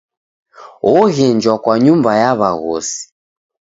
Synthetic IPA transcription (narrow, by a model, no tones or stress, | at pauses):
ɔɣɛɲd͡ʒwakwaɲumbajaβaɣɔsi̥